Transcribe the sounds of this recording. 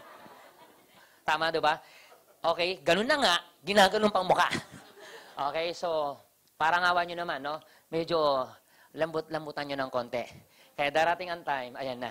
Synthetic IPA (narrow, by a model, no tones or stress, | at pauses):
t̪aːmɐʔd̪ɪba | ʔoːkɛjɡɐnonːɐŋaʔ | ɡɪnaːɡɐnoŋpɐŋmʊka̰ʔ | ʔo̰ːkɛjso | paːɾɐŋaːwaɲonɐmanːo̞ | mɛd͡ʒo | lɐmbʊt̪̚lɐmbʊt̪ɐnɲonɐŋkont̪ɛ | kɐjad̪aːɾat̪ɪŋɐŋt̪ajmɐ̰janːa̰